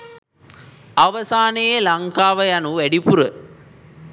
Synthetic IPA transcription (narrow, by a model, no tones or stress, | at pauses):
ɐʋɐsaːnejelɐŋkaːʋɐjɐnueɽipuɾɯ